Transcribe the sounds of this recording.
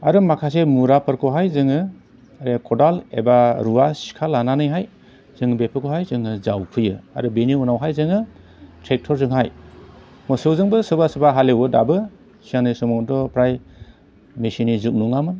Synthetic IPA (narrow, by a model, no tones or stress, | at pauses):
aɾɯmakʰas̬emuɾapʰɯɾkʰɔɦajzɯŋɯ | aɾekʰɔdalḛbaɾuwasi̥kʰalananɯjɦaj | z̥ɯŋɯbepʰɯkʰɔɦajzɯŋɯzawpʰɯjɯa̰ɾɯbeniunawɦajzɯŋɯ | tʰɾek̚tʰɔɾzɯŋhaj | mɯsɯwzɯŋbɯsɯbasɯbaɦalewɯda̰bɯ | siaŋnɯjsɔmɔŋdɔpɾaj | mesinizuk̚nuŋamɯn